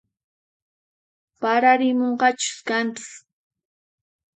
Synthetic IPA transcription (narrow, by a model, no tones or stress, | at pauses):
paɾaɾɪmoɴɢɑt͡ʃʊ̥skantʊ̥s